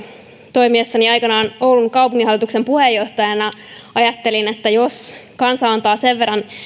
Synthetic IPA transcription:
t̪o̞imiesːɑniɑjkɑnɑːno̞wluŋkɑwpuŋːiɦɑlːˑit̪ukse̞mpuhejːo̞ht̪ɑjɑnɑ | ɑjɑt̪ːe̞linet̪ːæjo̞skɑnsɑɑnt̪ɑːse̞ʋːe̞rːɑn

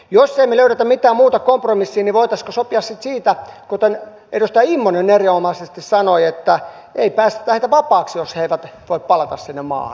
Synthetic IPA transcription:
josːeimeløyɾet̪æmmit̪æːmmuːt̪ɑkompromisːiːniʋoit̪ɑskosopiɑssit̪siːt̪ækot̪en | edust̪ɑimːonenːeriomɑsest̪issɑnoiet̪ːæ | eipæːst̪æ̥t̪æheit̪æʋɑpɑːksjosheiʋæt̪ʋoippɑlɑt̪ɑssinːemɑ̰ːhn

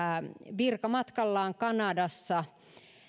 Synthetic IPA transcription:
ʋirkɑmɑt̪kɑlːɑːŋkɑnɑdɑsːɑ

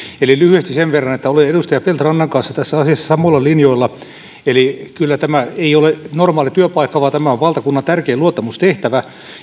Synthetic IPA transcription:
elilyhyest̪iseʋʋerːɑnet̪ːæoleedust̪ɑjɑpelt̪rɑnːɑŋkɑnsːɑt̪æsːæɑsiɑsːɑ̥sɑmoˑilːɑlinjoilːɑ | elikylːæt̪æmæeiolenormɑːlit̪yøpɑikːɑʋɑːt̪æmæoʋʋɑlt̪ɑkunːɑnt̪ærkeːluot̪ːɑmust̪eht̪æʋæ

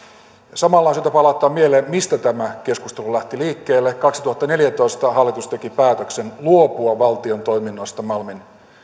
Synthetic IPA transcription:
sɑmɑlːɑːnsit̪æpɑlɑt̪ːˑɑːmieleːmmist̪æt̪æmæk̟e̞skust̪e̞lulæht̪iliːkːeːlːekɑksit̪uhɑt̪ːɑne̞ljæt̪o̞ist̪ɑɦɑlːit̪ust̪e̞kipæːt̪øksenluopuɑʋɑlt̪io̞nt̪o̞ijminːoist̪ɑmɑlmin

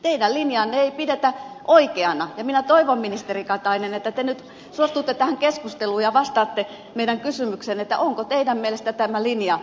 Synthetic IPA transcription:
t̪eidælinjɑːnːeeipidet̪æʔoikeɑnɑjɑminæt̪oiʋomminist̪erikɑt̪ɑinenet̪ːæt̪enyt̪ | suost̪ut̪ːet̪æhæŋkeskust̪eluːjɑʋɑst̪ɑːt̪ːe | meidæŋkysymyksenet̪ːæ̰ʔoŋkot̪eidæmmielest̪æt̪æmælinjɑ

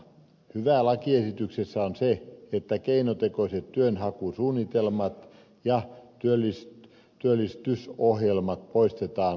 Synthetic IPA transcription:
hyʋæˑlɑkiesit̪yksesːæonseet̪ːækeinot̪ekoset̪t̪yønhɑkusuːnːit̪elmɑt̪ | jɑt̪yølːist | t̪yølːist̪ysohjelmɑt̪̚poist̪et̪ɑːn

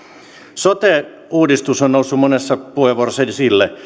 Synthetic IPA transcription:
sot̪e | uːdist̪usonnousːumonesːɑpuheʋorselsilːe

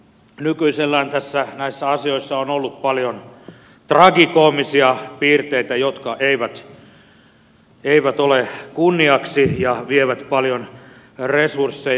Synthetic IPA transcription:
nykyiselːæːnt̪æsːænæisːæɑsioisːɑonolːut̪pɑljon | t̪rɑɡikoːmːisiɑpiːrt̪eit̪æjot̪kɑʔeiʋæt̪ | eiʋæt̪olekunːiɑksijɑʋieʋæt̪pɑljon | resursːe

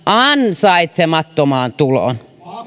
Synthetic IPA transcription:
ɑnsɑit̪semɑt̪ːomɑːnt̪ulo̰n

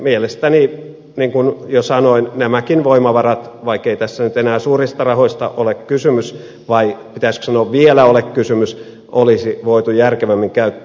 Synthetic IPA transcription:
mielest̪æni | niːŋkunjosɑnoinnæmækinʋoimɑʋɑrɑt̪ | ʋɑikːeit̪æsːænyt̪enæːsuːrist̪ɑrɑhoist̪ɑ̰ʔolekkysymys | ʋɑipit̪æisko̥sɑnoːʋʋielæolekkysymys | ʔolisiʋoit̪ujærkeʋæmːiŋkæyt̪ː

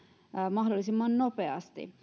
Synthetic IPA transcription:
mɑhdolːˑisimːɑnnopeɑ̰st̪ḭ

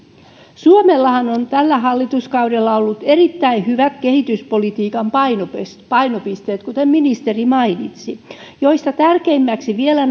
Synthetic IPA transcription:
suomelːɑhɑnont̪ælːæɦɑlːit̪uskɑudelːɑolːut̪erit̪ːæinhyʋæt̪kehit̪yspolit̪iːkɑmpɑinopspɑinopist̪eːt̪kut̪emminist̪erimɑinit̪sijoist̪ɑt̪ærkeimːæksiʋielæn

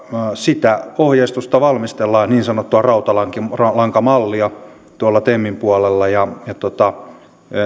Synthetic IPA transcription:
sit̪æohjeist̪ust̪ɑʋɑlmist̪elːɑːniːnsɑnot̪ːuɑrɑut̪ɑlɑŋkirɑlɑŋkɑmɑlːiɑ | t̪uɑlːɑt̪emːimpuɑlelːɑjɑjɑt̪ot̪ɑ

